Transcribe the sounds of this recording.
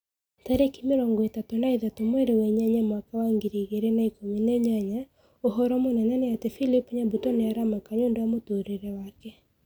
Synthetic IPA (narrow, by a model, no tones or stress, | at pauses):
taɾekimeɾɔːŋɡɔetatonaiðatomwɛɾewɛɲaɲamwakawaŋɡiɾiɣeɾenaikomineɲaɲa | oɦɔɾɔmonɛnɛneatefilipɲabutɔneaɾamakaɲoːndowamotoɾeɾɛwakɛ